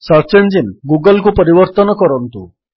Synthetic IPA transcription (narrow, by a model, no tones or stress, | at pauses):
səɾt͡ɕeɳd͡ʑinɡuɡəlkupəɾiʋəɾt̪ənkɔɾənt̪ṵ